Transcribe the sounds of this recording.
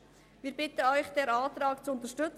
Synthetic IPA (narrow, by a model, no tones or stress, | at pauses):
ʋiːɾbɪtəɔʏçd̥ɛːɾaːtɾɑːkt͡suʊnt̪əʃtʏt͡s